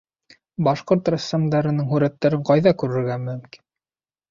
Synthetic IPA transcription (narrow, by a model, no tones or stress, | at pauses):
bɑʃqoɾt̪rasːamd̪ɑɾɤ̆nɤŋɦʉɾæt̪ːæɾɘɴqɑjðɑkʉɾɘ̆ɾɡæmɵ̆mki̥n